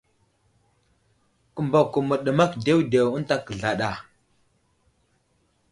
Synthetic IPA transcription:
kə˨mba˨ku˨mə˨ɗə˨ma˦kde˦wde˨wə˦ta˦kə˨ɮa˨ɗa˨

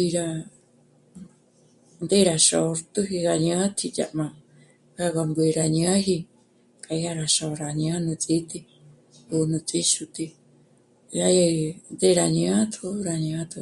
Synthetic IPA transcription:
i˧ɾa˧ | nd̪e˦ɾa˧ʃo˨˧ɾt̪u˦ɦi˧ɡa˧ɲã˦t̪ʰi˧t͡ʃa̰˧ʔmã˧ | ɡa˧ɣa˧mbwe˧ɾa˧ɲã˦ɦi˧ | ka˧˦a˦˧ɾa˧ʃa˨˧ɾa˨ɲã˦nũ˧t͡sʼi˦t̪i˧ | u˧nũ˧t͡sʼi˦ʃu˧t̪i˧ | ja˧ja˧nd̪e˦˧ɾa˨ɲã˦t̪ʰu˦ɾa˧ɲã˦t̪ʰu˧

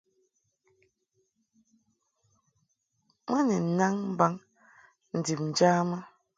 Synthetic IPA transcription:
mɛ˦nɛ˨n̩˨na˦ŋm̩˦ba˦ŋ | n̩˨di˨p̚n̩˨d͡ʒa˦ma˦

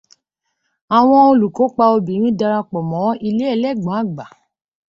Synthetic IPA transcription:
a˨w̃ɔ̃˧o˧lu˨ko˨˦k͡pa˧o˧bĩ˨ɾ̃ĩ˦da˧ɾa˧k͡pɔ˨mɔ̃˨˦i˧le˦ɛ˦˧˨lɛ˦˨ɡ͡bã˨˦˨ɡ͡ba˨

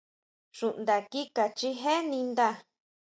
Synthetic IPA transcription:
ʃu˨ʔnd̪a˨ki˦ka˨t͡ʃi˦ɦe˦nĩ˧nd̪a˧

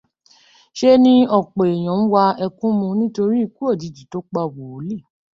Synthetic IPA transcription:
ʃe˦nĩ˧ɔ˨k͡pe˨e˨j̃ã˨˦ñ̩˦wa˧ɛ˧kũ˦mũ˧nĩ˦to˧ɾi˦i˦˧ku˦o˦˨di˨˦di˨˦to˦k͡pa˧˨wo˨o˨˦le˦˨

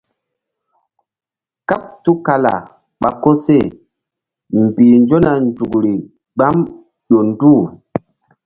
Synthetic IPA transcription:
ka˦p̚tu˦ka˨la̰˨ | ɓa˨ko˦se˦˨ | m˨biː˨nd͡ʒo˦na˨n˦d͡ʒu˨kɾi˨ | ɡ͡ba˦m | ɗo˨n˦duː˦˨

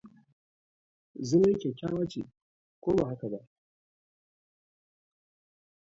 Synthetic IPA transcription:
zʊ˦m˦kʲe˨kʲa˦wa˦t͡ʃḭ˨ | koː˦ba˨ha˦ka˨ba˦ʔ

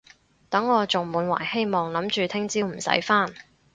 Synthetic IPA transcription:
t̪ɐ˨˥ŋːɔː˨˧t͡sʊ˨ŋmuː˨˥nwa̰ː˨˩jhe˥jmɔː˨ŋlɐ˨˥mt͡ʃyː˨t̪ʰɪ˥ŋt͡siː˥wm̩˨˩sɐ̰˨˥jfaː˥n

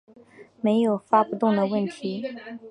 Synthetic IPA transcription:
me˧˥ɪjo˨˩ʊfa˥pu˧˥t̪ʊ˥˩ŋd̪ə˩wə˥˩nt̪ʰi˧˥

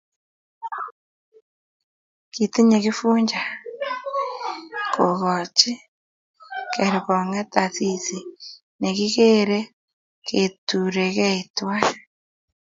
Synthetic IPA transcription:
kiti˦ɲe˨ɣi˦fuː˦ɲd͡ʒa˨ | ko˨ɣɔ˨t͡ʃi˦ | ke˨ɾe˨ko˨ŋe˦ta˨sisi˨ | ne˨ɣi˦ɣe˦ɾe˦ | ketuɾe˨ɣe˦itwa˦

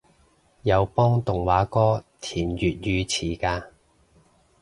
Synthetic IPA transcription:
jɐ˨˧wpɔː˥ŋt̪ʊ˨˩ŋwaː˨˥kɔː˥t̪ʰiː˨˩njyː˨t̚jyː˨˧t͡sʰiː˨˩kaː˧

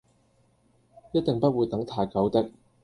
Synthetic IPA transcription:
jɐ˥t̚t̪ɪ˨ŋpɐ˥t̚wuː˨˧jt̪ɐ˨˥ŋt̪ʰaː˨˩jkɐ˨˥wt̪ɪ˥k̚

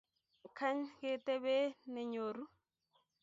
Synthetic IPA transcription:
kʰa˦ɲke˦te˦bɛ˦nɛ˨ɲo˨ɾu˦

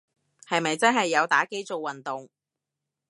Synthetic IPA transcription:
hɐ˨jmɐ˨jt͡sɐ˥nɦɐ˨jːɐ˨˧wt̪aː˨˥ke˥jt͡so˨wːɐ˨nt̪ʊ˨ŋ

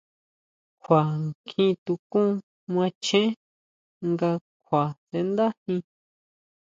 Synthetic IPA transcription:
kʷʰa˨ŋkʰĩ˧˦t̪u˧kũ˦ | m˧ã˧t͡ʃẽ˦ | ŋɡa˧kʰʷwa˨se˧nd̪a˦hĩ˧

